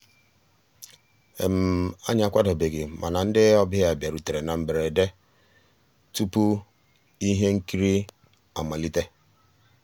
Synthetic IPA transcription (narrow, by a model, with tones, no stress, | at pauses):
ḛ˨m̩˨a˦ɲ˦a˨kʷa˦dɔ˨be˨ɡɪ˨mʔa˨na˨n̩˦dɪ˦ɔ˦bɪ˦ɦa˨bja˨ɾu˨te˨ɾe˨na˨m̩˨be˨ɾe˨de˦ | tu˦pu˦ | i˦ɦe˦ŋ̩˦ki˦ɾi˦ | a̰˨ma˨li˦te˦